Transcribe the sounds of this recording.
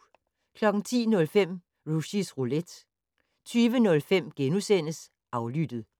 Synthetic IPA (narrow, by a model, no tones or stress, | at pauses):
kʰlɒ̽ɡ̥ŋ̩t͡sʰḭːnɔ̽lfem̰ | ʁuɕisʁuled̥ | t͡sʰyːʋənɔ̽lfem̰ɡ̥enusen̰əs | ʔɑ̈ʊlyd̥ð̩ˠ